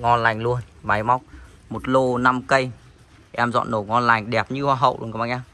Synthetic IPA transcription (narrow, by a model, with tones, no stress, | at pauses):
ŋɔ˧nla˨˩jŋ̟lu˧ənɓa˨˦jma˦˥wk͡p̚mo˨˩t̚lo˧na˧mkə˧j | ʔɛ˧mzɔ̰˧˨nːo˧˨˩ŋɔ˧nla˨˩jŋ̟ɗɛ˨˩p̚ɲɨ˧hwaː˧ɦə̰˧˨wʔlu˧˨kːɓa̰˧˨˩ɲaː˧˩